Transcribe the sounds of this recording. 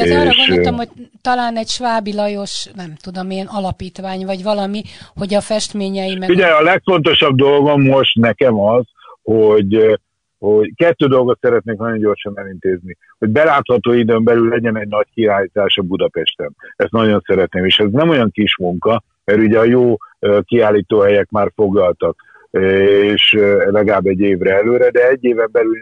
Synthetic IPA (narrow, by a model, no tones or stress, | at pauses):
eːʃmhoc̚t̪ɒlaːnɛɟʃʋaːbilɒjo̞ʃnɛmt̪ud̪o̞meːnɒlɒpiːt̪ʋaːɲvɒɟvɒlɒmiho̞ɟɒfɛʃt̪meːɲɛjimɛiɟɛɒlɛkfo̞nt̪o̞ʃɒb̚d̪o̞lɡo̞mːo̞ʃt̪nɛkɛmɒz | hoɟ | ho̞ɟkɛt̪ːøːd̪o̞lɡo̞t̪sɛɾɛt̪neːŋknɒɟo̞ɲɟo̞rʃɒnɛlint̪eːzni | ho̞ɟ̚bɛlaːt̪hɒt̪oːid̪øːmbɛlylːɛɟɛnɛɟnɒckiaːliːt̪aːʃɒbud̪ɒpɛʃt̪ɛmɛst̪nɒɟo̞nsɛɾɛt̪neːmeːʃɛznɛmo̞jɒŋkiʃmuŋkɒ | mɛɾuɟɛɒjoːkiaːlːiːt̪oːɦɛjɛkmaːrfo̞ɡlɒlt̪ɒk | eːʃlɛɡɒlaːbːɛɟːeːvɾɛɛløːɾɛd̪ɛɛɟːeːvɛmbɛlyl